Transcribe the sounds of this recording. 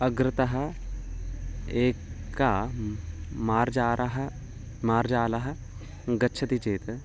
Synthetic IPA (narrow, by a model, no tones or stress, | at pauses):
ɐɡɾɪt̪ɐɦɐ̆ | eːkːaː | maːɾd͡ʒaːɾɐɦɐ | maːɾd͡ʒaːlɐɦɐ̆ | ɡɐtːt͡ʃʰɐt̪it͡ʃeːt̪